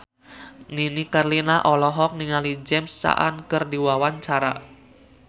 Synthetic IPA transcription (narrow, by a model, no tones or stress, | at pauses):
ninikarlinaʔɔlɔɦɔk̚niŋalid͡ʒɛmsːa̰ʔa̰nkərdiwawant͡ʃaɾa̰